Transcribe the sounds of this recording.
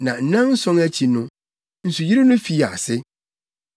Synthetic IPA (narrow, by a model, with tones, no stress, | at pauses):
nã˨n̩˦nã˦n̩˦sɔ̃˦ŋæ˦t͡ɕʰi˨nʊ̃˦ | n̩˨su˨ji˦ɾɪ˦nʊ̃˦fi˦˨a̰˨sɪ˦